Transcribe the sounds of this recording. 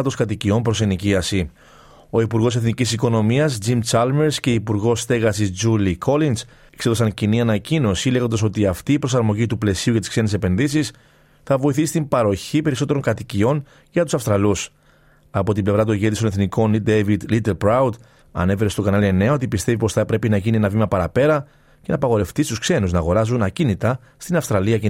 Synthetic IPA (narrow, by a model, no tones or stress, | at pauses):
t̪o̞skɐt̪icio̞mpɾo̞se̞niciɐsi | o̞ipuɾɣo̞se̞θnicisiko̞no̞miɐsd͡ʒimt͡ʃɐlme̞ɾsce̞ipuɾɣo̞sθe̞ɣɐsizd͡ʒulikʰo̞lins | ekseðo̞sɐɲciniɐnɐcino̞sile̞ɣo̞nd̪ɐso̞t̪iɐft̪iːpɾo̞sɐɾmo̞ʝit̪uple̞siuʝɐt̪i̥skse̞nese̞pe̞nðisis | θɐvo̞iθisi̥t̪imbɐɾo̞çipe̞ɾiso̞t̪eɾo̞ŋkɐt̪icio̞n | ʝɐt̪u̥sɐfst̪ɾɐlus | ɐpo̞t̪imble̞vɾɐt̪̬oɲʝeðis̬oneθniko̞nid̪evid̪lit̪elpɾawd̪ | ɐ̰ne̞fe̞ɾest̪o̞kɐnɐlie̞ne̞ɐo̞t̪̬ipist̪e̞vipo̞sθɐpɾe̞pinɐʝinienɐvimɐpɐɾɐpe̞ɾɐ | ce̞nɐpɐɣo̞ɾe̞ft̪ist̪uskse̞nuznɐːɣo̞ɾɐzunɐcinit̪ɐ | st̪inɐfst̪ɾɐliɐce